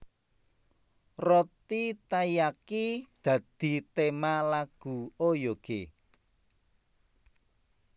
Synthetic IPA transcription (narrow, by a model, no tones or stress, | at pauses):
rɔt̪it̪ajakid̪̥ä̤d̪̥i̤t̪emalaɡ̥ṳojoɡ̥e